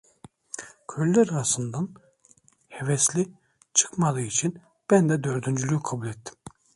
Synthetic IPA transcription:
kʰølʲːɛɾaɾasɯnd̪an | hevɛslʲi | t͡ʃʰɯ̥kmalˠɯːit͡ʃʰin | b̥ænd̪ɛd̪øɾd̪ynd͡ʒylʲykʰabulʲet̪ʰːi̥m

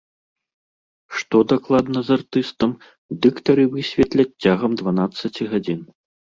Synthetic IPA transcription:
ʂt̪ɔd̪aklˠad̪nɐzart̪ɨst̪ɐm | d̪ɨkt̪ɐɾɨvɨsʲvʲɛt̪lʲɐt͡sːʲaɣɐmd̪vanat̪sːɐt͡sʲiɣad͡zʲin

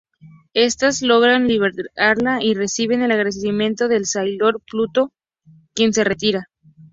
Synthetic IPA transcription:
e̞st̪azlo̞ɣ̞ɾanliβeɾaɾlaire̞siβ̞e̞ne̞laɣɾesimjẽ̞nt̪o̞ðe̞lsajlo̞ɾplut̪o̞ | kje̞nse̞re̞t̪iɾa

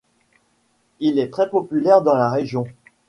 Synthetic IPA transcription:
ilɛt̪χɛpɔpylɛʁd̪ɑ̃laʁeʒjɔ̃

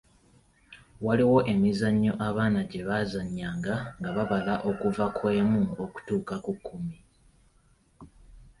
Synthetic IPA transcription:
waliwo̞ʔe̞mizaɲːo̞ʔaβaːnaɟe̞βazaɲːaːŋɡaŋɡaβaβalaʔo̞kuvakwe̞ːmuoku̥tuːkakukːumi

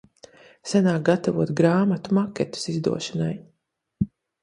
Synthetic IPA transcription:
sanaːk̚ɡat̪avuɔt̪ɡɾaːmat̪umakʲɛt̪u̥sizd̪ṵɔʃanaj

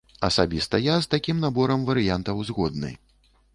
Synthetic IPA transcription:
ɐ̰sabʲist̪ɐjast̪akʲimnabɔɾɐmvɐɾɨjant̪ɐwzɣɔd̪̚nɨ̰j

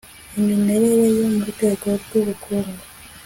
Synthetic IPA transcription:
eminːeɾejejomumuteːkaβɡuːβukʰuːmɡu

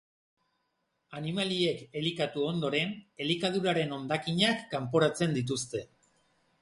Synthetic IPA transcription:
animalie̞ke̞likat̪uo̞nd̪o̞ɾe̞ne̞likað̞uɾaɾe̞no̞nd̪akiɲakːampo̞ɾat͡se̞nd̪it̪̬ust̪e̞

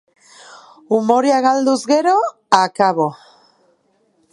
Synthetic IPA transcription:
umo̞ɾiaɣald̪uzɣe̞ɾo̞ | akaβo̞

